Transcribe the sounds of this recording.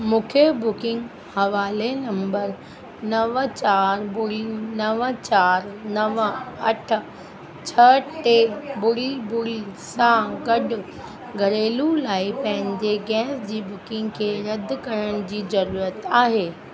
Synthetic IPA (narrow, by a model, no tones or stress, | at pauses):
mũːkʰebʊkɪ̃ŋɡ | hɐʋaːlenɐ̃mbəɾ | nɐʋt͡ɕaːɾbʊlinɐʋət͡ɕaːɾnɐʋəɐʈʰʊ̆ | t͡ɕʰɐʈebʊlibʊlisãɡɐɗʊ | ɡʱɐɾeːlulaːipɐ̃ɦɪ̃ɲd͡ʑeɡɛːsd͡ʑiːbʊkɪ̃ŋɡkʰeːɾɐd̪kɐɾəɽ̃ɪd͡ʑiːzɐɾuːɾət̪aːɦeː